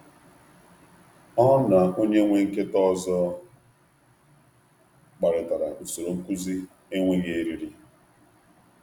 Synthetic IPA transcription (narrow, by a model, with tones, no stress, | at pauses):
ɔ˦ɦna˨o˦ɲe˦ŋʷe˦ŋ̩˦ke˦tɔ˦zɔ˦ | k͡pa˨ɾɪ˨ta˨ɾa˨u˨so˨ɾo˨ŋ̩˦ku˦zi˦ | e˦ŋʷe˦ɣe˦e˦ɾi˦ɾi˦